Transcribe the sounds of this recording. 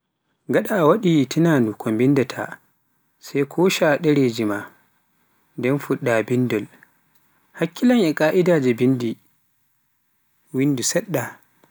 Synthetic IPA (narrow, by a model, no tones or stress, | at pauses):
ŋɡaɗaːwaɗitʰinaːnukʰombindɛtʰa̰ | sajkʰɔːʃaɗɛɾeːd͡ʒima | ndɛnfuɗːabindɔl | hakːilanʔɛkʼaːʔidad͡ʒɛbindi | windusɛɗːa